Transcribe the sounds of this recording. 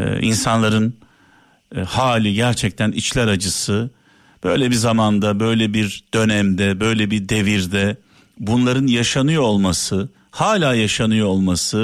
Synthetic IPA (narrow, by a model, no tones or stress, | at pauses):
ḭnsanlˠaɾɯn | haːlʲiɟæɾt͡ʃʰɛc̚t̪ʰænit͡ʃlʲæɾad͡ʒɯsɯ | b̥ø̞̰jlʲɛbizamand̪abø̞jlʲɛbiɾd̪̥ø̞næmd̪ɛbø̞jlʲɛbid̪e̞viɾd̪ɛ | bunlˠaɾɯnjaʃanɯjo̞lˠmasɯ | haːlʲaːjaʃanɯjo̞lˠmasɯ